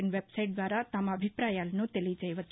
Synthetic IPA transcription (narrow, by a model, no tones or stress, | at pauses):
ɳʋebsajʈ̚d̪ʋaɾat̪aməbʱipɾajalnũt̪elid͡ʒəjʋət̪ː